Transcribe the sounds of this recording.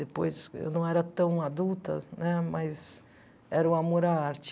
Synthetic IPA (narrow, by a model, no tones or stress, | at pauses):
d̪epojsḛwnɐ̃w̃ɛɾɐt̪ɐ̃w̃ad̪ut̪ɐ̰nɛmɐjz | ɛɾɐũamoɾaaɾt͡ʃ